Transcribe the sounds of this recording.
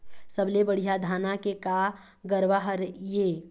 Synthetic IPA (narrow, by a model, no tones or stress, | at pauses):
səblebəɽ̤ijad̪ʱaːnakeka | ɡəɾʋaɦəɾjeː